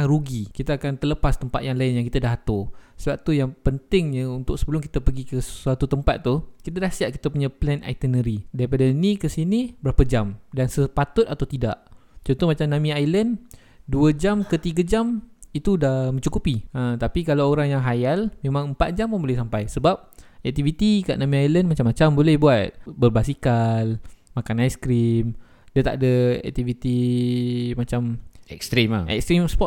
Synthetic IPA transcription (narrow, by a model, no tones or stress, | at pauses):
ɾuɡikit̪aːkant̪ərləpast̪əmpa̰t̪̚jaŋlaɪnjaŋkit̪adahɦat̪ʊsəbap̚t̪ujaŋpənt̪ɪŋɲəunt̪ʊk̚səbəlʊmki̥t̪apəɡikəssuat̪ut̪əmpat̪̚ːukit̪adahsiaʔki̥t̪apuɲaplɛna̰jt̪ənəɾidaɾipadainikəsinibəɾapad͡ʒamdansəpat̪ʊt̪̚at̪awt̪ida̰ʔt͡ʃɔnt̪ɔmat͡ʃamnãmĩajlən | duəd͡ʒamkət̪iɡad͡ʒamit̪udamə̃ɲt͡ʃukupiət̪apikalaoɾaŋjaŋɦajalmemãŋəmpat̪̚d͡ʒampunbolɛhsampajsəbap̚ɛk̚t̪ivit̪ika̰ʔnãmĩajləndmat͡ʃamat͡ʃambolɛhbuat̪̚bərbasikalmakanajskɾim | dat̪a̰ʔadəɛ̰k̚t̪ivit̪i | mat͡ʃamɛ̰kst̪ɾima̰ɛ̰k̚st̪ɾimspɔt